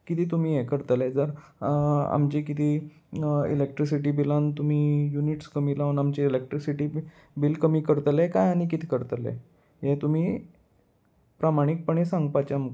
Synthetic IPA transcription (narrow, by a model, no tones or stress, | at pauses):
kit̪iːt̪um̤iːjekəɾt̪led͡zəɾ | a̰mt͡ɕikit̪iː | ḭlek̚ʈɾisiʈiːbilãnt̪um̤iːjuniʈskəmilaənamt͡ɕeilek̚ʈɾisiʈiː | bilkəmiːkəɾt̪lekajañikit̪ʰi̥ːkəɾt̪lḛ | jet̪um̤iː | pɾamaɽ̃ik̚pəɳesãŋɡpat͡ɕamək